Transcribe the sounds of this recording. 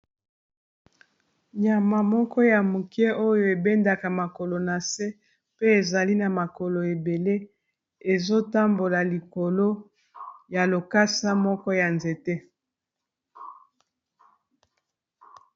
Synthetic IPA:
ɲa˨ma˨mɔ˦kɔ˦ja˨mu˨ki˦e˦ʔo˦jo˦˨e˨be˦nda˨ka˨ma˨ko˨lo˨na˨se˦ | pe˦e˨za˨li˦na˨ma˨ko˨lo˨e˨be˨le˦ | e˨zo˦ta˦mbo˨la˨li˨ko˨lo˦ | ja˨lo˨ka˦sa˦mɔ˦kɔ˦ja˨nze˨te˦

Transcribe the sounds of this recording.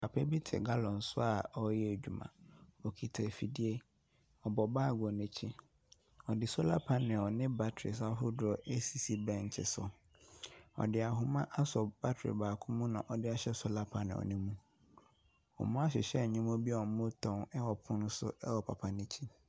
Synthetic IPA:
pʰa˨pʰɛ˦bi˦tʰɪ̰˨ɡa˦lɔ̃˨n̩˨sʊ˦a˨ɔ˦jɛ˦e˨d͡ʑᶣu˨mã̰˨ɔ˨kʰi˨tʰe˨fi˨di˦e˦ | ɔ˨bɔ˨baː˦˨ɡɔ˨nẽ˦t͡ɕʰĩ˦ | ɔ˨dɪ˨sʊ˦la˦pʰa˦nɪ̃˨ɔ˨nɪ̃˦ba˦tʰɾɪ˨s̬a˦ɦʊ˦dʊ˨˦ɔ˦ʔe˦si˨si˦bɛ̃˦˨n˨t͡ɕʰɪ̰˨sʊ˨ | ɔ̰˨dɪ˨a˨ɦʊ˦mã˦ʔa˦sɔ˨ba˦tʰɾɪ̰˨baː˨kʰʊ̃˦mũ˦nã˨ʔɔ˨dɪ˦a˦ɕɛ˦sʊ˦la˦pʰa˨nɪ̰̃˨ɔ̰˨nɪ̃˦mũ˦ | ɔ̰˨mũ˦a˦ɕ̬ɪ̰˨ɕɛ˦˨ɲɪ̃˦mʊ̃˦bi˦ɔ˨˦mʊ̃˦tʰɔ̃˦nɛ˦wɔ˨pʰʊ̃˦nʊ̃˦sʊ̰˦ɛ˦wɔ˨pʰa˨pʰa˨nẽ˦t͡ɕʰi˦

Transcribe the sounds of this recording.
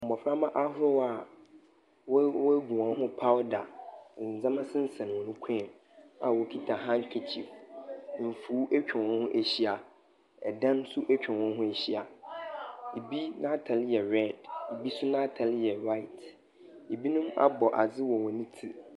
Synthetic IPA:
m̩˨bɔ˨fɾa˦mã˦ʔa˦ɦʊ˦ɾʊ˦wa˨ | wwɔ˦ɡũ˨ã˨˦ɦʊ̃˦pʰa˦wda˨n̩˨d͡zã˦mã˦sɪ̃˦n̩˦sɛ̃˨n˨wɔ̃˨nʊ̃˦kʷʰɛ̃˦˨m | a˨wɔ˨kʰi˦tʰa˨ɦã˦ŋ̩˦kᶣʰɛ˨t͡ɕʰi˨f | m̩˨fuː˨˦ʔæ˦t͡ɕᶣɪ̃˨n˨wɔ̃˦nhʊ̃˦ʔæ˨ɕi˦a˨ | ɛ˨dã˦n˦sʊ˦ʔæ˦t͡ɕᶣɪ̃˨wɔ̃˦nɦʊ̃˦æ˨ɕi˦a˨ | i˨bi˦nã˦tʰa˨li˦jɛ˨ɾɛ˦˨di˨bi˦sʊ˦nã˦tʰa˨ljɛ˨ɾa˦ɪ˨t | i˨bi˦nʊ̃˦ma̰˦bɔ˨ʔa˨d͡zɪ˦wɔ˨wɔ̃˨nĩ˦tʰi˦

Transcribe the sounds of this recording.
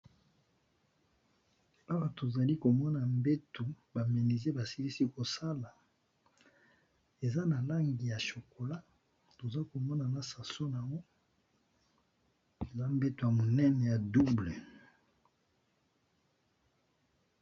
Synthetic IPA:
a˦wa˨to˨za˨li˦ko˨mɔ˦na˨mbe˦tu˨ | ba˨me˨ni˨ze˦ba˨si˦li˦si˦ko˨sa˦la˨ | e˨za˦na˨la˦ŋɡi˨ja˨ʃo˨ko˨la˦ | to˨za˦ko˨mɔ˦na˨na˨sa˨so˦na˨ŋɡɔ˦ | e˨za˦m˦be˦tu˨ja˨mo˨nɛ˦nɛ˨ja˨du˦ble˨

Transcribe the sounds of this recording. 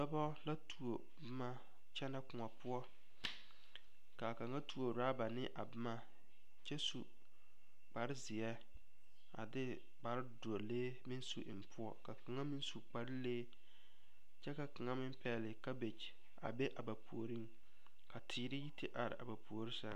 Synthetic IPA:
da˦bɔ˦la˦tu˨o˨ | bɪ˦ma˦ | t͡ʃɛ˦na˦kʊ˨ŋa˨pʊ˦ɔ˦ | ka˨ka˨ŋa˦tu˦o˨ɾa˦ba˨nɪ˦ʔa̰˨bɪ˦ma˦ | t͡ʃɛ˦su˨ | k͡pa˨ɾɪ˦zɪ˨jɛ˦ | a˨dɪ˦ | ba˨ɾɪ˦do˨leː˦mɪ˦nsu˨ʔɪ˨m˨pʊ˦ɔ˦ka˨ka˨ŋa˦mɪ˦nsu˨k͡pa˨ɾɪ˦leː˦ | t͡ʃɛ˦ka˨ka˨ŋa˦mɪ˦mpɛ˨lɪ˨ka˦be˨t͡ʃ | a̰˨be˦ʔa˨ba˨pu˨o˨ɾi˦ŋ | ka˨tʰiː˨ɾɪ˦ji˦tɪ˦ʔa˨ɾɪ̰˨ʔa˨ba˨pu˨o˨ɾɪ˦sa̰˦ŋ

